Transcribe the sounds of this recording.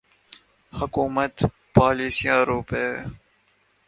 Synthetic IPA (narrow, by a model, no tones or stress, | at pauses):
hʊkuːmɐt̪ | paːliːsiaːɾuːpe